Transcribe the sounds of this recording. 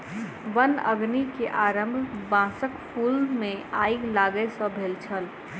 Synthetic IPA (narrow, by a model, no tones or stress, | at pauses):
ʋənəɡnikeʔaːɾə̃mbʱbãːsəkpʰuːlmẽaːɪɡlaːɡəesɔbʱeːlt͡ʃʰəl